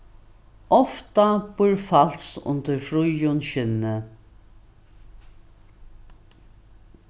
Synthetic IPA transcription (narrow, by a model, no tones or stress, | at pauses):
ɔft̪ab̥ʊɹfalsʊ̰nt̪əɾfɾujʊnɕɪnːə